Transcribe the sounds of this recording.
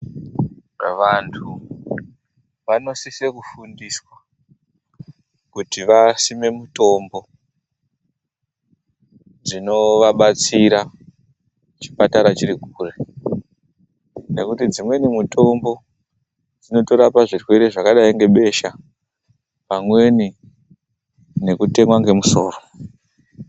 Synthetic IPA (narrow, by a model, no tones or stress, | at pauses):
ʋantʰu | ʋano̞sisekufundiswa | kutiʋasime̞muto̞mbo̞ | d͡zino̞ʋaɓat͡siɾa | t͡ʃi̥pataɾat͡ʃiɾiɡʱuːre | ne̞kutid͡zimwe̞nimuto̞mbo̞ | d͡zino̞to̞ɾapaʐirwe̞ɾeʐakaɗaiŋɡe̞ɓe̞ʃa | pamwe̞ni | ne̞kute̞mwaŋɡe̞muso̞ːro